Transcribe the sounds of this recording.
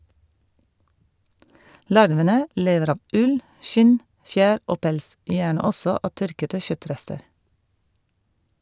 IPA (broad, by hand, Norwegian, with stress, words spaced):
ˈlɑɾʋənə ˈleːʋəɾ ˈɑːʋ ˈʉl ˈʃɪn ˈfjæːɾ ˈoː ˈpɛls ˈjæːɳə ˈɔsɔ ˈɑː ˈtœɾkətə ˈçœˌtɾɛstəɾ